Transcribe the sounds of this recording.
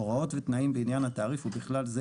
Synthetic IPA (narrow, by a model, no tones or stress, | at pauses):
oʁao̞t̪vet̪naimbeinjanhat̪aːʁifhubiχlalze